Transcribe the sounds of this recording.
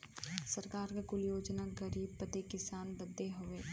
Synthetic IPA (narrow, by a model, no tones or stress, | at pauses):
sɐɾkaːɾkekʊljoːd͡ʒnaɡɐɾiːb̚pət̪ekɪsaːnbəd̪ːeɦoʋeː